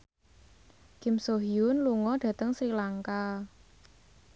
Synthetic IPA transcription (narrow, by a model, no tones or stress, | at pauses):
kɪ̤msoɦiʊnluŋɔɖ̥ä̤t̪əŋsɾilaŋka